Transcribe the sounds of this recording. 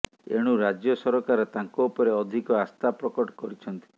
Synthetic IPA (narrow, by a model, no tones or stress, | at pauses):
ḛɽ̃uɾad͡ʒjɔsɔɾɔkaɾɔt̪ãŋkɔupɔɾeɔd̪ʱikɔast̪apɾɔkɔʈɔ̥kɔɾit͡ʃʰɔnt̪i̥